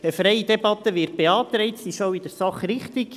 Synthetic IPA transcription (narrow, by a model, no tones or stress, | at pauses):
əfɾɛjid̥̪ɛbɑt̪əʋɪːrt̚b̥eɑːt̪ɾɛɪtsiʃowid̪əɾsɑχrɪχt̪iɡ